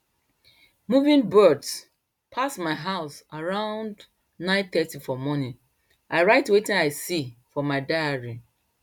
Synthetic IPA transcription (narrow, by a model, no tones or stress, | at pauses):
muvĩnbɜds | pʰasmaɪɦaʊsaɹãʊ̃nd | nãɪ̃nθɛtifɔmɔnĩn | ʔaɪɹaɪtwetĩnaɪsifɔmaɪdaaɹi